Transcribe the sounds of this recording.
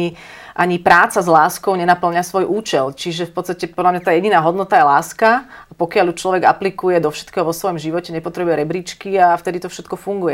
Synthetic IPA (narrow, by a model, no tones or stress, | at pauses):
i | ʔaɲipɾaːt͡sazlaːskɔʊɲɛnapl̩ɲasʋɔjʔuːt͡ʃɛlt͡ʃiʒɛfpɔt̪t͡st̪acɛpɔd̪lamɲat̪aːjɛɟinaːɦɔd̪nɔt̪ajɛlaːskaapɔkɪaljut͡ʃlɔʋɛɡa̰plikujɛd̪ɔfʃɛt̪kɛːɦɔʋɔsʋɔjɔmʒiʋɔcɛɲɛpɔt̪ɾɛbujɛɾɛbɾiːt͡ʃkiaft̪ɛd̪it̪ɔfʃɛt̪kɔfuŋɡujɛ